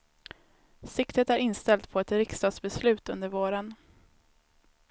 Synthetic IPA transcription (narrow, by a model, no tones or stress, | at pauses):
sɪkt̪ət̪æɾɪnst̪ɛlt̪pʰɔɛt̪ɾɪkst̪ɑːd̪sbɛslʉ̟ːt̪ɵnd̪əɾvoːɾən